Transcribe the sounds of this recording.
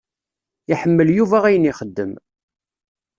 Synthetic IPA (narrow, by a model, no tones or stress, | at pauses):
ɪħəmːəljuvæʁæjəniχəd̪ːəm